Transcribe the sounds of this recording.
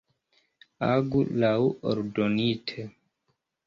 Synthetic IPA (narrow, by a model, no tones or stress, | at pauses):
aɡulawo̰ɾdonitʰe